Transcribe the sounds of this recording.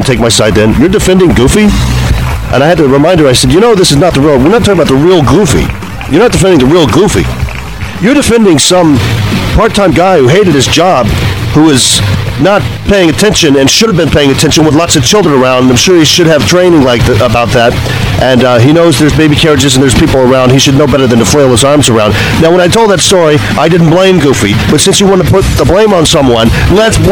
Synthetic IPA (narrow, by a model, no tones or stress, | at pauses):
n̩tʰeɪk̚maɪsaɪt̪̚ðɨ̃njə˞dɨfɛ̃ndɪ̃ŋɡufi | ʔɨ̰̃ñaɪɨd̚tʰɨɹɨmãɪ̃ndə˞aɪsɛdjɨnoʊðɪsɨznət̪̚ðəɹil̩ˠwɪɹnətʰɔkŋəbaʊt̪̚ðəɹilˠɡufḭ | jə˞nət̚d̥ɨfɛ̃ndɪ̃ŋðɨɹilˠɡufḭ | jə˞dɨfɛ̃ndɪ̃ŋsʌ̃mpʰɑɹtʰãɪ̃mɡaɪhuɦeɪɾɨd̚ɨzd͡ʒɑb̚huɪz̥nət̚pʰeɪɪ̃ŋɨtʰɛ̃nʃɨ̃nɨ̃nʃʊɾəvbɨ̃npʰeɪɪ̃ŋɨtʰɛ̃nʃɨ̃nwəðlɑtsʌv̥t͡ʃʰɪlˠdɹə̃nə˞ãʊ̃ndənãɪmʃʊɹhiʃɨɾɨv̥tʰɹ̥ẽɪ̃nɪ̃ŋlaɪk̚ðəbaʊt̪̚ðæt | ʔɨ̃ninoʊzðə˞zbeɪbikʰɛɹɨd͡ʒɨz̃n̩ðə˞z̥pʰipl̩ˠə˞ãʊ̃nd̚hiʃɨdⁿnoʊbɛɾə˞ðɨ̃ntɨfleɪl̩ˠəzɑɹmzə˞ãʊ̃nd̥ | naʊwə̃ɾ̃aɪtʰoʊlˠd̪ðɨtstɔɹi | ʔaɪdɪdⁿn̩b̥lẽɪ̃mɡufi | b̥ʌtsɪ̃nsjɨwɑ̃ñtʰpʰʊt̪̚ðəblẽɪ̃mə̃nsʌ̃mwʌ̃n | lɛts